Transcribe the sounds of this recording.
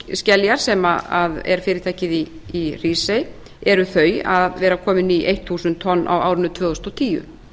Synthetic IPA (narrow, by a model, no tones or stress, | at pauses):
scɛljaɾ̥sɛmaaðɛ̰ɾ̥fɪːɾɪt̪ʰaːjcɪði | iriːsej | ɛɾʏθœːɥaðvɛːɾakʰɔːmɪniʔejht̪θuːsʏnt̪ʰːɔnːa̰waːwɾɪnːʏt̪ʰvœːðɔst̪ɔt̪ʰiːʏ̰